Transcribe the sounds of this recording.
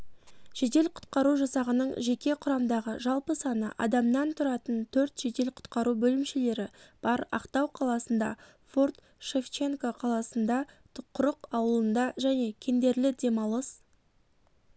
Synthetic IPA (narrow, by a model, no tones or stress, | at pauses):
ʒ̥ed̪e̞lqʰʊ̥t̪̚qɑɾuʒɑsɑʁənəɴʒe̞kʲe̞qʰʊɾɑmd̪ɑʁə̰ʒɑlˠpəsɑnə̰ʔɑ̰d̪ɑmnɑnt̪ʰʊɾɑt̪ənt̪ʰɵɾt̪ʒ̥ed̪e̞lqʰʊ̥t̪qɑɾubɵlɪmʃe̞le̞ɾɪb̥ɑɾɑ̰qt̪ɑwqʰɑlˠɑsənd̪ɑ̰ | fort̪ | ʃe̞ft͡ʃe̞ŋkoqʰɑlˠɑsənd̪ɑ | qʰʊɾəqɑwəlˠənd̪ɑʒæne̞kʲʰe̞nd̪e̞ɾlɪd̪e̞mɑlˠəs